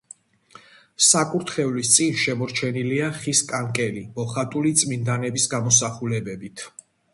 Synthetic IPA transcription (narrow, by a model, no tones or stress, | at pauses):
sakʼuɾt̪ʰχɛvlist̪sʼinʃɛmɔɾt͡ʃʰɛniliaχiskʼaŋkʼɛlimɔχat̪ʼulit̪sʼmind̪anɛbisɡamɔsaχulɛbɛbit̪ʰ